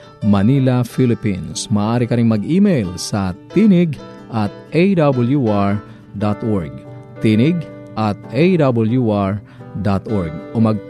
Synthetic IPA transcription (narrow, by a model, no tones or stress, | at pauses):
mɐniːlɐfilɪpḭnsmɐʔːʔaːɾɪkɐɾɪŋmɐɡʔiːmɛjlsɐt̪inɪɡ | ʔɐt̪̚ʔejd̪ɐbɐljuaɹ | d̪at̪ʔoɹɡ̚t̪inɪɡ | ʔɐt̪ʔejd̪abɐljuʔaɹ | d̪at̪ʔoɹɡ̚ʔomɐɡ̚